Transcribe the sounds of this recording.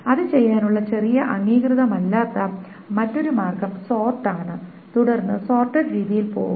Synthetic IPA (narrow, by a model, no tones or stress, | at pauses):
ɐðɨt͡ɕe̞jːaːnuɭːɐt͡ɕe̞rijɐʔɐŋːiːkrɨðɐmɐlːaːt̪ːɐ | mɐtːo̞ɾumaːrkɐmso̞ːrʈːaːɳɨ | t̪uɽɐrnːɨso̞ːrʈːɐɖɾiːðijilpo̞̰ːɣumm